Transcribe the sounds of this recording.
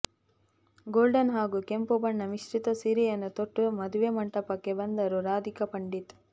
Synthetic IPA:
ɡoːlɖɐnɦaːɡukempubɐɳːɐʋiʃʈit̪ɐsiɾijɐnːut̪oʈːumɐd̪uʋemɐɳʈɐpːɐkːebɐnd̪ɐɾuɾaːd̪ʱikɐpɐɳɖit̪

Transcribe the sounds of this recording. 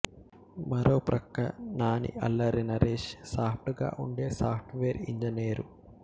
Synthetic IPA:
mɐɾoːpɾʔɐkːɐnaːnḭɐ̰lːɐɾinɐɾeːʃsaːpʰʈuɡa̰ːʔuɳɖe̞ːsaːpʰʈʋeːɾḭɲd͡ʒɐneːɾu

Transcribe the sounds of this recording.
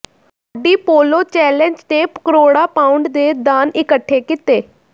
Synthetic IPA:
əɖiːpoːloːt͡ʃɛːlɛnd͡ʒt̪eːpkəɾoːɽaːpaːʊɳɖd̪eːd̪aːnɪkəʈʰːeːkɪt̪eː

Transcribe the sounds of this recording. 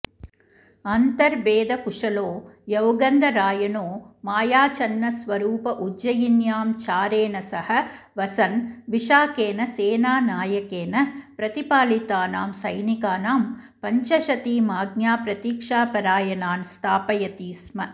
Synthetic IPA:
ɐnt̪ɐɾbeːd̪ɐkuʂɐloːjɐwɡɐnd̪ɐɾaːjɐnoːmaːjaːt͡ʃɐnːɐsʋɐɾuːpɐʔud͡ʒɐjinjaːmt͡ʃaːɾeːnɐsɐhɐ | ʋɐsɐnʋiʂaːkeːnɐseːnaːnaːjɐkeːnɐpɾɐt̪ipaːlit̪aːna̰ːmsɐjnikaːnaːmpɐɲt͡ʃɐʃɐt̪iːmaːɡnjaːpɾɐt̪iːkʂaːpɐɾaːjɐnaːnst̪ʰaːpɐjɐt̪iːsmɐ

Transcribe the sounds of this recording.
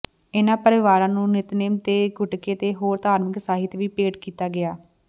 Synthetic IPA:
ɪnãːpəɾɪʋaːɾãːnũːnɪt̪neːmt̪eːɡʱʊʈkeːt̪eːɦoːɾt̪aːɾmɪksaːɦɪt̪ʋiːpeːʈkiːt̪aːɡɪaː

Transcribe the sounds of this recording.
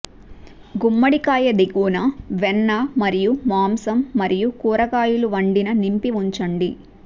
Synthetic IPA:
ɡumːɐɽikaːjɐd̪eɡuːnɐʋɛnːɐmɐɾijumaːmsɐmːɐɾijukuːɾɐkaːjuluʋɐɳɖinɐnimpiʋuɲt͡ʃɐɳɖi

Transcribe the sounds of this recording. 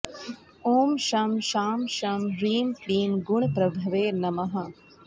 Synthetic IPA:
oːmʃɐmʃaːmʃɐmɾiːmʈiːmɡʊɳ̃pɾɐbʱɐʋeːnɐmɐɦɐ̆

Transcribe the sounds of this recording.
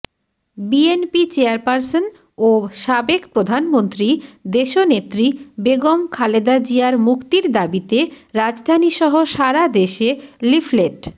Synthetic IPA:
bienpit͡ɕeaɾpaɾson | oʃabekpɾod̪ʱanmont̪ɾid̪eʃonet̪ːɾibeɡomkʰaled̪ad͡ʑiaɾmukt̪iɾd̪abit̪eɾad͡ʑd̪ʱaniʃɔɦoʃaɾad̪eʃelifʰleʈ

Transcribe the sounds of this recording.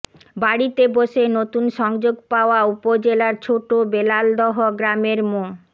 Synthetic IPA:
baɽit̪eboʃenot̪unʃɔŋd͡ʑoɡpaoaupod͡ʑelaɾt͡ɕʰoʈobelald̪ɔɦoɡɾameɾmo

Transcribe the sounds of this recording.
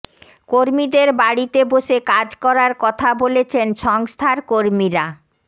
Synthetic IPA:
koɾmid̪eɾbaɽit̪eboʃekad͡ʑkɔɾaɾkɔt̪ʰabolet͡ɕʰenʃɔŋst̪ʰaɾkoɾmiɾa

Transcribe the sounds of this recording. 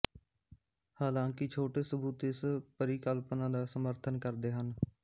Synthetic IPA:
haːlãːkɪt͡ʃʰoːʈeːsəbuːt̪ɪspəɾiːkəlpnãːd̪aːsəməɾt̪ʰənkəɾd̪eːɦən

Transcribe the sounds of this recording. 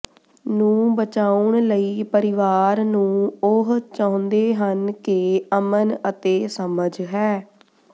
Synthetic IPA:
nũːbət͡ʃaːʊɳləiːpəɾɪʋaːɾnũːʊɦt͡ʃãʊ̃nd̪eːɦənkɪəmənət̪eːsəməd͡ʒɦɛː

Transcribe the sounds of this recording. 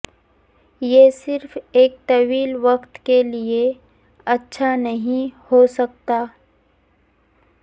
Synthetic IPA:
jesɪɾfʰeːk̚t̪ɐʋiːlʋəkt̪kelie | ɐtːʃʰanɐɦĩhosɐk̚t̪aː

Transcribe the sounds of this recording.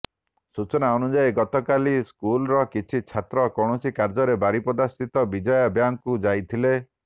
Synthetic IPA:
sut͡ʃɔnaɔnud͡ʒajɡɔt̪ɔkaliskulɔɾɔkit͡ʃʰit͡ʃʰat̪ɾɔkɔɽ̃ɔsikaɾd͡ʒɔɾebaɾipɔd̪asit̪ɔbid͡ʒɔjɔbjaŋkud͡ʒajt̪ʰile

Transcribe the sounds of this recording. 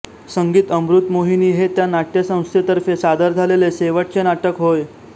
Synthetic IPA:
səŋɡiːt̪əmbɾut̪moɦiniːɦet̪janaʈjəsə̃w̃st̪ʰjet̪əɾfesad̪əɾd͡zʱaleleseʋəʈ̚t͡senaʈəkɦoj

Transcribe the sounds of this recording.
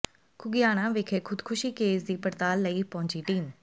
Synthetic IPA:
kʰʊɡɪjaːɽ̃ãːʋekʰeːkʰʊd̪kʰʊʃiːkeːsd̪iːpəɾt̪aːlːəiːpɔɦʊ̃ɲt͡ʃiːʈiːm

